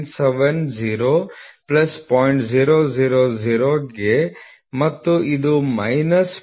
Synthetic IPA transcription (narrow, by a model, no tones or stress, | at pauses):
nseʋend͡ʒiːɾoːplɐspɔːjɳʈd͡ʒiːɾod͡ʒiːɾod͡ʒiɾoːɡe | mɐt̪ːuid̪umɐjnɐs